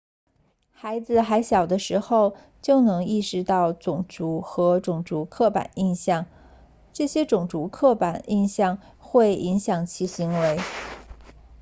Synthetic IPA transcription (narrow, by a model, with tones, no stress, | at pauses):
xa˧˥ɪd͡zɹ̩˧xa˧˥ɪɕjɑ˨˩ʊd̪ə˦ʂɻ̩˧˥xo˥˧ʊ | t͡ɕjo˥˩ʊnɤ˧˥ŋi˥˩ʂɻ̩˧˥t̪ɑ˥˩ʊt͡sʊ˨˩ŋʈ͡ʂu˧˥xɤ˧˥ʈ͡ʂʊ˨˩ŋʈ͡ʂu˧˥kʰɤ˥˩pa̰˨˩ni˥˧nɕjɑ˥˩ŋ | ʈ͡ʂɤ˥˩ɕjɛ˥ʈ͡ʂʊ˨˩ŋʈ͡ʂu˧˥kʰɤ˥˩pa˨˩ni˥˧nɕjɑ˥˧ŋ | xwe˥˩ɪʔi˧˥ŋɕjɑ˨˩ŋt͡ɕʰi˧˥ɕi˧˥ŋwe˧˥ɪ